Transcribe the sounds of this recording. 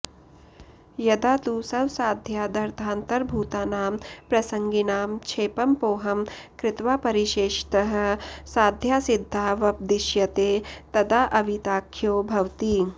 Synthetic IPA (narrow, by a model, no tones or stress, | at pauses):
jɐd̪aːt̪uːsɐwsaːd̪ʱjaːd̪ɐɾt̪ʰaːnt̪ɐɾbʱuːt̪aːnaːmpɾɐsɐŋɡinaːmt͡ʃʰeːpɐmpoːɦɐm | kɾɪt̪ʋaːpɐɾiʃeːʃt̪ɐɦɐ̆saːd̪ʱjaːsid̪ʱːaːʋɐp̚d̪iʃjɐt̪eːt̪ɐd̪aːʔɐʋit̪aːkʰːjoːbʱɐwt̪iː